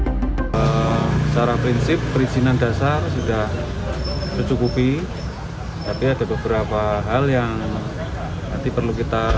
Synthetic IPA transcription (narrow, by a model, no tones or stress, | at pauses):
ət͡ʃaɾapɾinsɪpːəɾisinanda̤sarsudah | bərt͡ʃukupi | t̪apiad̥abəbəɾapaɦaljaŋ | nant̪ipərlukit̪a